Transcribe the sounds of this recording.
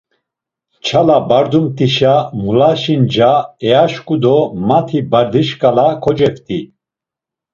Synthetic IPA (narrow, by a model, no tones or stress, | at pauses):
t͡ʃʰalabaɾd̪umt̪ʰʼiʃamulaʃind͡ʒaɛaʃkʼud̪ɔmat̪ʰibaɾd̪iʃkʼalakʰɔd͡ʒɛft̪ʼi